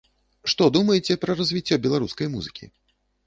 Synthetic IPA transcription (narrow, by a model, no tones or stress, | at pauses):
ʂt̪ɔd̪umɐjɛt͡sʲɛpɾɐrɐzʲvʲit͡sʲːɔbʲɛlˠaɾuskɐjmuzɨkʲḭ